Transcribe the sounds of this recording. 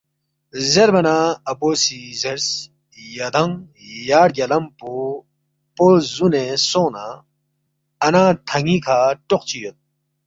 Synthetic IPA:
zeɾbɐnaɐpoːsizeɾs | jɐd̪ɐŋ | jaːɽ̚ɡɐlɐmpo | pozunesoːna | ɐnaːt̪ʰɐŋikʰaːʈoq̚t͡ɕiːol̚

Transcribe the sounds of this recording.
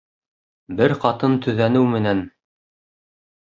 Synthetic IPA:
bɘɾqɑt̪ɤnt̪ɵ̆ðænɘwmɘ̆næn

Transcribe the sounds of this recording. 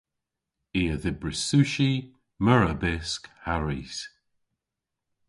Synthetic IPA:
iːəðɪbɹɪsuʃi | mœɹəbɪskhaɹis

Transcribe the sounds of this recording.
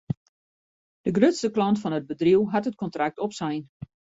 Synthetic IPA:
d̥əɡrøtstəklɔntfɔnəd̚bədriwɦatət̚kɔntrak̚tɔpsɛjn

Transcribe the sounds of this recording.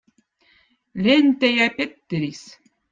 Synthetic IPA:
lʲent̪ejɑpʲet̪ːɘ̆ɾis

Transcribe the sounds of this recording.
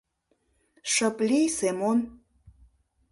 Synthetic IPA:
ʃə̆plisemon

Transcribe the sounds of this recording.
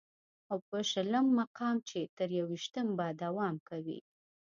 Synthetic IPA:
awpəʃələmːaqɑmt͡ʃet̪əɾjawiʃt̪əmbad̪awɑmkawḭ

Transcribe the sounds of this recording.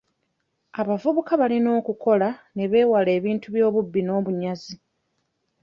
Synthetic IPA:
aβavuβukaβalino̞ːkukʰo̞lane̞βe̞ːwale̞ːβiːntuβjo̞ːβubːino̞ːβuɲazi

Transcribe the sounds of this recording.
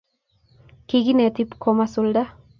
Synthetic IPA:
kiɡinet̪ipkʰɔmasulda

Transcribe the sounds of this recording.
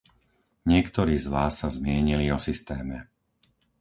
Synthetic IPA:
ɲɪɛkt̪ɔɾiːzʋaːsːazmɪɛɲiliɔsist̪ɛːmɛ

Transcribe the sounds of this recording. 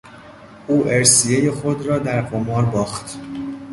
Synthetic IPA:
ʔuːʔeɾsijejexod̪ɾɒːd̪æɾqomɒːɾbɒːxt̪

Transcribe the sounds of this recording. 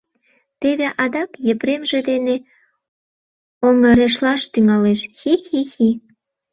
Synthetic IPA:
t̪eβeʔɑd̪ɑkjəpɾemʒĕd̪ene | oŋə̆ɾeʃlɑʃt̪yŋɑleʃxixixi

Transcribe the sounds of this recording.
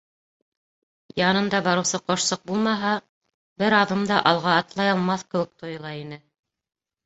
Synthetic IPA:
jɑnɤ̆nd̪ɑbɑɾɤ̆wsɤqŏʃsɤq̚bulˠmɑɦɑ | bɘɾɑðɤmd̪ɑʔɑlˠʁɑːt̪lˠɑjɑlˠmɑθkɘ̆wɘ̆k̚t̪ŏjɤ̆lˠɑinɘ

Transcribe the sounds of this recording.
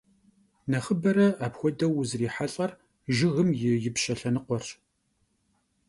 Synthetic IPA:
nɐχəbɐɾɐaːpxʷɔdɐwʊzriːħaɬʼɐr | ʒɪɣɨmjɪjɪpʃɐɬɐnɨqʷɔr

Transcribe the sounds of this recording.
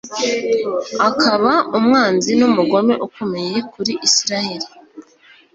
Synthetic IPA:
akʰaβaumŋaːnzinumuɡo̞me̞̰ʔukomeje̞kuɾiʔisiɾaheɾi

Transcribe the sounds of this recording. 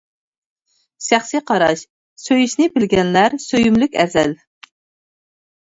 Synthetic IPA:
ʃæχsiqʰɑɾɑʃ | søjiʃnɪbɪlɡʲɛnlæɾsøjymlykʲæ̰ɾzɛl

